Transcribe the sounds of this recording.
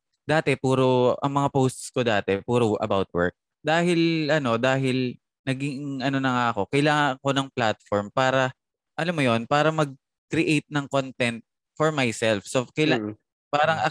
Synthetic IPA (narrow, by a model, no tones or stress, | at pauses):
d̪aːt̪ɛpuːɾoʔɐ̰ŋmɐŋapowst̪skod̪aːt̪ɛpuːɾoʔɐ̰bawt̪̚wɛ̰ɹk̚ | d̪aːhɪlʔɐno̞d̪aːɦɪl | nɐɡɪŋʔɐno̞nɐŋaʔɐko̞kɐjlaːŋɐŋko̞nɐŋplat̪̚foɹmpaːɾɐ | ʔɐlamːojo̞npaːɾɐmɐɡ̚ | kɾɪʔejt̪̚nɐŋkont̪ɛnt̪̚ | fɔɹmajsɛlfsokɛl | paːɾɐŋʔɐ